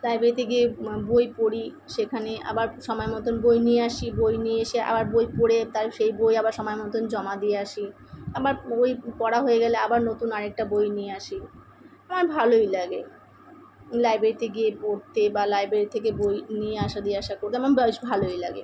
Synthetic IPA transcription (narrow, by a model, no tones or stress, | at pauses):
lajbɾeɾit̪eɡiebojpoɽi | ʃekʰanea̰baɾʃɔmɔemɔt̪onbojnieaʃibojnieeʃia̰baɾbojpoɽet̪aɾʃejbojabaɾʃɔmɔemɔt̪ond͡ʑɔmad̪ijeaʃi | abaɾbojpɔɽaɦojeɡɛleabaɾnot̪unaɾek̚ʈabojnijeaʃi | amanbʱalojlaɡe | lajbɾeɾit̪eɡiepoɾt̪ebalajbɾeɾit̪ʰek̬ebojnieaʃad̪ieaʃakoɾt̪eamanbaiʃbʱalojla̰ɡḛ